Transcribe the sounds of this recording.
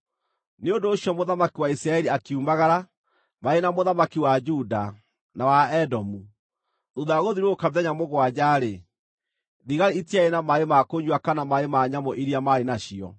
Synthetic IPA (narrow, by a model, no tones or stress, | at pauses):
neondoːɕjɔmoðamakiwaisɾaɛɾiakeumaɣaɾa | maenamoðamakiwad͡ʒuda | nawaɛdɔmu | ðoðaɣoðiɾwoːkameðɛɲamoɣwad͡ʑaɾe | ðiɣaɾiitiaenamaemakoɲd͡ʒwakanamaemaɲamɔʔiɾiamaɾenaɕiɔ̰